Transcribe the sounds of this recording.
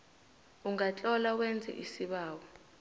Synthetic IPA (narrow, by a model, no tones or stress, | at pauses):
uŋat͡ɬʼɔlawɛnd͡zʱɛ̰ʔisiɓaːwɔ